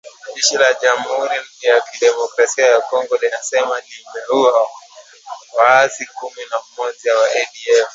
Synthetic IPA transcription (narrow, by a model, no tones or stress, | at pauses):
ʄɛʃilaʄam̩huɾinjakiɗɛmɔkɾasiajakɔŋɡɔlinasɛmanibɛua | wasikuminamɔʄawaʔɛɗiɛf